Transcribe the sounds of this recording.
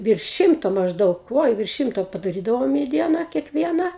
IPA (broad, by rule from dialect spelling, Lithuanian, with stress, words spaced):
ʋʲɪrʃ ˈʃʲɪmtoː mɐʒˈdɐʊk oːɪ ʋʲɪrʃ ˈʃʲɪmtoː pɐdɐˈrʲiːdɐʋoːm iː ˈdʲiɛnɑː kʲiɛkˈʋʲiɛnɐ